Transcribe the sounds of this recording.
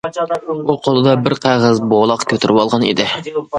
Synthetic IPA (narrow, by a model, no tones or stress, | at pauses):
uqʰolˠɨd̪ɑbɪɾqʰæʁæzbolˠɑqkʲʰøt̪yɾɪwɑlˠʁɑnḛd̪ɪ